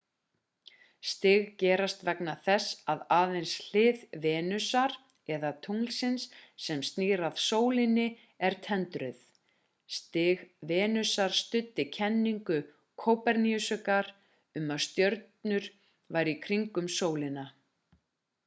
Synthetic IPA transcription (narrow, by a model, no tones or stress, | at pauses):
st̪ɪɣcɛːɾast̪vɛknaθɛsaðaːðejnsl̥ɪːðvɛːnʏsaɾ̥ | ɛðat̪ʰuŋlsɪnsːɛmst̪niːɾaðsoːwlɪnɪ | ɛɾ̥t̪ʰɛnt̪ɾʏθ | st̪ɪɣvɛːnʏsaɾ̥st̪ʏt̪ːɪcʰɛnːiŋkʏ | kʰoːwpɛɾniʏsʏkaɾ | ʏmavst̪jœɾt̪nʏɾ̥ | vajɾikʰɾiŋkʏmsoːwlɪna